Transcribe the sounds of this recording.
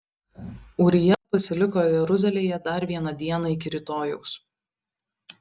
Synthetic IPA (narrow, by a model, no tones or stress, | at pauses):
ʊːɾʲɪjɛpɐsʲɪlʲɪkoːjɛɾʊzʲɛlʲeːjɛd̪ɐɾʋʲiɛnɐd̪ʲiɛnɐɪkʲɪɾʲɪt̪oːjɛʊs